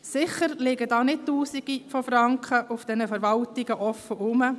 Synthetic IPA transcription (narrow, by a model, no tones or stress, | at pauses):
sɪχəɾlɪɡədɑːnɪt̚tuːsiɡ̥ifɔfɾɑŋkχəʔʊfd̥ɛnəfəɾʋɑltɪɡəʔɔfːəʔʊmə